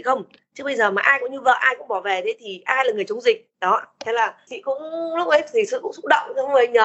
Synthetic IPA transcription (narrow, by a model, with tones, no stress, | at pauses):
i˨˩xə˧wŋ͡m | t͡ɕɨ˦˥kɓə˧jzəː˨˩maː˨˩ʔaː˧jkʊ˧˥ŋ͡mɲu˧və̰ː˧˨ʔaː˧jkʊ̰˧˥ŋ͡mɓɔ˧˩vɛ˨˩t̪ʰe˨˦t̪ʰi˨˩ʔaː˧jlaː˨˩ŋɨ˨˩ət͡ɕʊ˨˦ŋ͡mzï˨˩k̚ɗɔ˨˦t̪ʰɛ˨˦laː˨˩t͡ɕḭ˧˨kʊ̰˧˥ŋ͡mlʊ˦˥k͡p̚ʔə˨˦jt̪ʰi˨˩sɨ̰˧˨kʊ̰˧˥ŋ͡msʊ˦˥k͡p̚ɗə̰˧˨wŋ͡mt̪ʰaː˨˦mɨ˨˩ə˨˩ɲəː˨˧˦